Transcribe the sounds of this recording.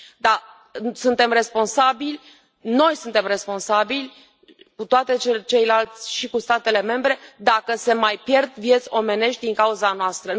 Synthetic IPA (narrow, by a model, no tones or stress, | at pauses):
d̪a | sunt̪e̞mre̞spo̞nsabilʲ | no̞jsunt̪e̞mre̞spo̞nsabilʲ | kut̪oat̪e̞t͡ʃet͡ʃe̞jlalt̪sʲʃikust̪at̪e̞le̞me̞mbɾe̞d̪akəse̞majpje̞rd̪vje̞t̪sʲo̞me̞ne̞ʃt̪̚ʲd̪iŋkauzanoast̪ɾə